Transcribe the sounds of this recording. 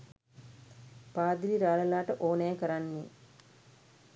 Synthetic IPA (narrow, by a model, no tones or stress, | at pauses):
paːd̪iliɾaːləlaːʈəʔoːnɛjkəɾanːi